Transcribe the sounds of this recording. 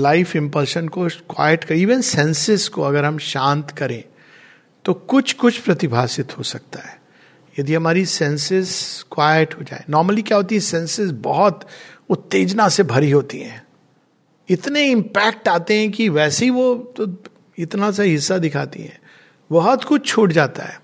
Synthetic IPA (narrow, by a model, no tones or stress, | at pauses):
laɪfɪ̃mpɐəlʃənkokwa̰ːjəʈkɐɾiːʋənsɛ̃nsɪzkoɐɡəɾɦɐmʃãːnt̪kɐɾẽ | t̪okʊt͡ʃʰkʊt͡ʃʰpɾɐt̪ɪbʱaːsɪt̪ɦosɐk̚t̪aɦɛː | jɐd̪iɦɐmaːɾisɛ̃nsɪzkwaːjəʈɦod͡ʒa̰ːḛ̃nɔːɾməlikjaːɦoːt̪̬iɦɛ̃sɛ̃nsɪzbɐɦɔt̪ʋot̪eːd͡ʒnasebʱɐɾiɦoːt̪ḭɦɛ̰̃ː | ɪt̪neɪ̃mpɛːk̚ʈaːt̪eɦɛ̃k̬iʋɛːseɦiʋot̪o | ɪt̪nas̬aiɦɪsːad̪ɪkʰa̰ːt̪ḭɦɛ̰̃ː | bɐɦɔt̪kʊt͡ʃʰt͡ʃʰoːʈd͡ʒaːt̪a̰ɦɛ̰ː